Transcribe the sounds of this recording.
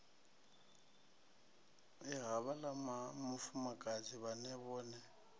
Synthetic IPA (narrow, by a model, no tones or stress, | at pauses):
ɪɣaβalamamʊfʊmakʼad͡zʼiβanɛβɔːnɛ